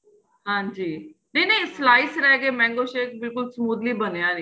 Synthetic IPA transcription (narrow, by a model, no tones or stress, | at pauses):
ɦãːɲd͡ʒiːnĩːnĩslaːɪsɾɛɡeːmɛ̃ːŋɡoʃeːk̚bɪlkʊlsmuːd̪libənejaːnĩː